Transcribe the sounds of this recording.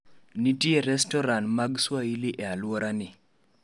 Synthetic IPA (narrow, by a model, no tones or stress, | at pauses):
nitieɾɛstɔɾanmaɡswailiʔɛalwoɾʔanɪ